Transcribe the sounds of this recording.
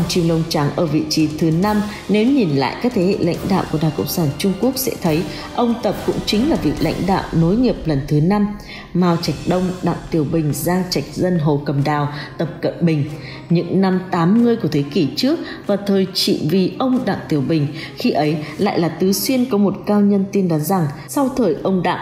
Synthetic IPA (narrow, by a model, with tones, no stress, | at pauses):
ə˧ŋ͡mt͡ɕi˧əŋlə˧wŋ͡mt͡ɕa˨˦ŋʔəː˧˩vḭ˧˨t͡ɕi˨˦t̪ʰɨ˨˦na˧m | ne˨˦wɲi˨˩nla̰ː˧˨jʔkaː˦˥k̚t̪ʰe˨˦hḛ˧˨la̰˧˥jŋ̟ɗa̰ː˧˨wku˧˩ɗaː˨˩ŋkə̰˧˨ŋ͡msaː˧˩nt͡ɕʊ˧ŋ͡mku˦˥ək̚sɛ̰˧˥t̪ʰə˨˦j | ʔə˧wŋ͡mt̪ə˨˩p̚kʊ̰˧˥ŋ͡mt͡ɕï˨˦ŋ̟laː˨˩vi˨˩ək̚la̰˧˥jŋ̟ɗa̰ː˧˨wno˨˦jɲi˨˩əp̚lə˨˩nt̪ʰɨ˨˦na˧m | maː˧wt͡ɕa˨˩jk̟̚ɗə˧wŋ͡mɗa̰ː˧˨ŋt̪i˨˩əwɓï˨˩ŋ̟zaː˧ŋt͡ɕa˨˩jk̟̚zə˧nɦo˨˩kə˨˩mɗaː˨˩wt̪ə˨˩p̚kə̰˧˨mɓï˨˩ŋ̟ | ɲɨ̰˧˥ŋna˧mt̪aː˨˦mŋɨ˧əjku˧˩ət̪ʰe˨˦ki˧˩t͡ɕɨ˦˥ək̚vaː˨˩t̪ʰəː˨˩jt͡ɕḭ˧˨vi˨˩ʔə˧wŋ͡mɗa̰ː˧˨ŋt̪i˨˩əwɓï˨˩ŋ̟ | xi˧ʔə˨˦jla̰ː˧˨jlaː˨˩t̪ɨ˨˦swi˧ənkɔ˨˦mo˨˩t̚kaː˧wɲə˧nt̪i˧nɗɔ˨˦nza˨˩ŋ | sa˧wt̪ʰəː˨˩jʔə˧wŋ͡mɗa̰ː˧˨